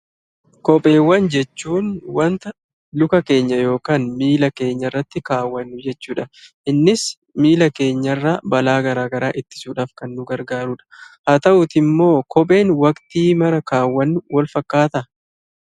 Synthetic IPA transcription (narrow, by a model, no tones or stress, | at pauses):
kɔpʼe̞ːwːɐnd͡ʒɛt͡ʃːuːnwɐnt̪ɐ | lʊkɐke̞ːɲːɐjo̞ːkaːnmiːlɐke̞ːɲːɐrːɐt̪ːɪkaːwːɐnːʊd͡ʒɛt͡ʃːuːᶑɐʔɪnːɪs | miːlɐke̞ːɲːɐrːaːbɐlaːɡɐɾaːɡɐɾaːʔɪt̪ːɪ̥suːᶑaːfkɐnːʊɡɐɾɡaːɾuːᶑɐ̥hɐt̪ɐʔʊt̪ɪmːo̞ːkʰɔpʼe̞ːnwɐkt̪iːmɐɾɐkaːwːɐnːʊwɐlfɐkːaːt̪ɐ